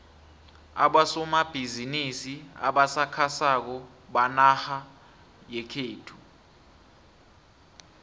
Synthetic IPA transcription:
a̰ɓasɔmab̥ʱizinisia̰ɓasakʰasak̬ɔ | ɓanaha | jɛkʰeːtʰu̥

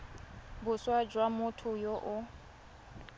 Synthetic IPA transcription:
bʊswad͡ʒwamʊtʰʊjoʔʊ

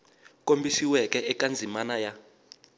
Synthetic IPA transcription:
k̬ʼombʱisiwɛk̬ʼɛʔɛkʼand͡zʱimanaja

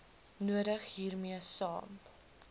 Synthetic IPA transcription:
nuəɾəχɦiːrmiəsɑ̰ːm

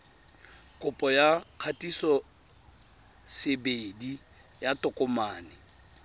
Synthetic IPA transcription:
kʼʊpʼɔjaq͡χʰatʼisɔ | sebedi | jatʼʊkʼɔmaːnɪ

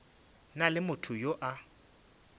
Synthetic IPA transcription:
nalɪmʊtʰʊjoʔa

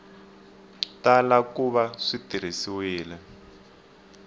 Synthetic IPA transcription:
talakuβaʂitiɾ̤isiwiːlɛ

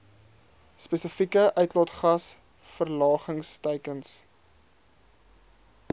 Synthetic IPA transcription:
spesəfikəʔœɥtlɔtχɐs | fərlɑːχəŋstəjkəns

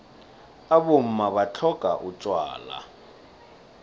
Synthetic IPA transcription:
abʊm̩maβat͡ɬʰɔkʼa̰ʔut͡ʃʼwa̰ːla̰

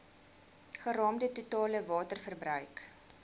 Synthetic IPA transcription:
χərɑːmdətutɑːləvɑːtərfərbrœɥk

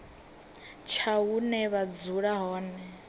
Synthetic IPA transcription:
t͡ʃʰaunɛβad͡zuɺaɦɔːnɛ

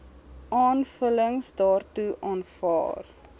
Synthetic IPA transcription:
ʔɑːnfələŋsdɑːrtuʔɑːnfɑ̰ːr

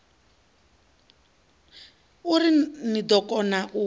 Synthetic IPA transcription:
uɾinid̪ɔkʼɔnaʔu

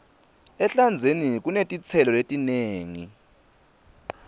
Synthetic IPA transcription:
ɛɬand͡zʱenik̬ʼunetʼit͡sʰɛlɔletʼineːŋi

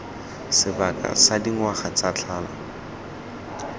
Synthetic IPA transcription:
sɪbakʼa̰sadiŋ̩waχat͡sat͡ɬʰaːla̰

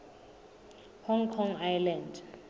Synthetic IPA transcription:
hɔŋkʰɔŋajland

